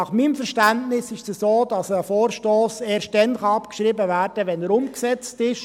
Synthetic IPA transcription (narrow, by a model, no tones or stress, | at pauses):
ɑχmiːmfɛɾʃtæntnɪsɪʃsəsoːd̥ɑsəfoːɾʃtoːseːɾʃttd̥ɛnχɑɑpkʃɾibəvæːɾd̥əʋɛnəɾʊmksɛt͡stɪʃ